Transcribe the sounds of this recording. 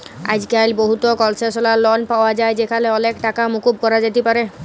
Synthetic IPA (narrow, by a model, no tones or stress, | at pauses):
a̰d͡ʒikajlboɦut̪ɔkɔlsesɔlalɔnpawad͡ʒajd͡ʒekʰaleɔlekʈakamukub̚kɔɾad͡ʒat̪ipaɾe